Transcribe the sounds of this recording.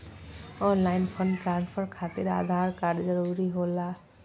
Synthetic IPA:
ɔnlajnpʰʌnʈɾanspʰʌrkʰat̪iɾa̰d̪ʱarkaɾd͡zʌɾuɾiɦola

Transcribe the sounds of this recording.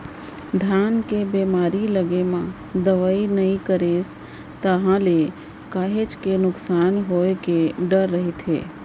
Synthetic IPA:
d̪ʱjaːnkebeːmaːɾiləɡemã | d̪əʋaːinɐĩkəɾeːs | t̪əɦãle | kaːɦet͡ʃkenʊksaːnɦoːekeɖəɾːəɦit̪ʰḛː

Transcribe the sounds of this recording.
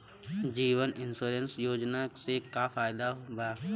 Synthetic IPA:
d͡ʒiːʋənɪnsuːɾensjoːd͡ʒnasekafaːɪd̪aɦɡaː

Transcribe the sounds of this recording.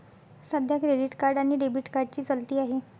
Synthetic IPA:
səd̪ʱjakɾeɖiʈkaɾɖaɽ̃iɖebiʈkaɾɖ̚t͡ɕiːt͡səlt̪iːaɦe

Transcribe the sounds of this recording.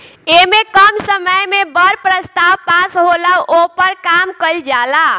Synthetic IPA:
emekəmsəməjmebəɾpɾəst̪awpasɦoləwʔopəɾkamkəld͡ʒala

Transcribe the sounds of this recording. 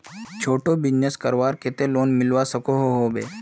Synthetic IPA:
t͡ʃʰoːʈobɪd͡ʒneskəɾʋaːɾket̪eloːnmɪlʋasəkoɦoɦoːbḛː

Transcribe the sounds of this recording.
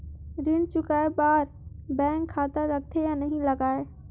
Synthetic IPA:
ɾɪɽ̃t͡ɕʊkaːeɓaːɾ | bɛ̃ːŋkʰːaːt̪əɾɾɐɡ̚t̪ʰejãːnɐɦĩlɐɡaːe

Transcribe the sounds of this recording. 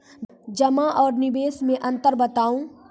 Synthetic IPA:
d͡ʒɐmaʔɔːɾnɪbeːsmẽʔɐ̃nt̪əɾbɐt̪aːũː

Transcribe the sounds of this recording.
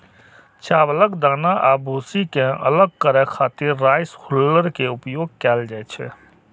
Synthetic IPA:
t͡ʃaːbələɡd̪aːnaʔaːbʱuːsikẽə̰ləɡ̚kəɾəkʰaːt̪ɪɾːaːɪshʊlːəɾkeʊpjoːɡ̚kɛːld͡ʒaːɛt͡ʃʰɛ̰

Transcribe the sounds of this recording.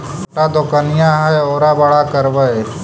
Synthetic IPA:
ʈad̪oːkənɪjãɦɛoːɾabɐɽakəɾʋə

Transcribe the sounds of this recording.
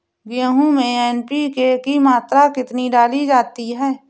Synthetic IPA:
ɡɪjəɦũmẽɛːnpikekimaːt̪ɾakɪt̪niɖaːlid͡ʒaːt̪iɦɛː

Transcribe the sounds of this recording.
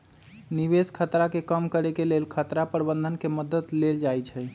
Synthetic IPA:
niβeskʰət̪ɾakekəmkəɾekelelkʰət̪ɾapəɾbənd̪ʱənkeməd̪ət̪leld͡ʒajt͡ʃʰɛ

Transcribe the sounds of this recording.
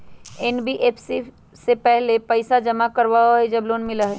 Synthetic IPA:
ɛnbiʔeːpʰsi | sepɛɦlepɐɪsad͡ʒɐmakɐɾʋaaɦed͡ʒɐbloːnmɪlaɦɛː

